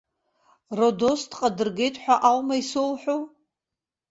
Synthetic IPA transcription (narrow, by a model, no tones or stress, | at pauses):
rodosdqʼadɨrɡʲe̞jtʼħʷᶣaʔalmaisolħʷᶣo